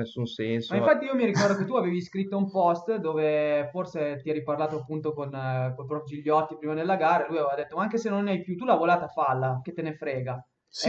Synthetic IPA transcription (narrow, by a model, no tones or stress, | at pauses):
esːunsɛnsmaĩfat̪ːiijomiɾikɔrd̪ok̬et̪ːuaveːviskɾit̪ːoumpɔst̪d̪oːveforset̪iɛɾijparlaːt̪oapːunt̪okonkolpɾɔpjod͡ʒiʎːɔt̪ːipɾiːmad̪elːaɡaːɾaelujavevad̪et̪ːomaaŋkesenːonːɛjpjut̪ulavolaːt̪afalːak̟et̪ːenefɾɛːɡa